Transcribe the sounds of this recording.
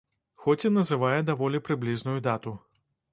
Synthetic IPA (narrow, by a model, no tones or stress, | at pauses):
xɔt͡sʲinɐzɨvajɛd̪avɔlʲipɾɨblʲiznujud̪at̪u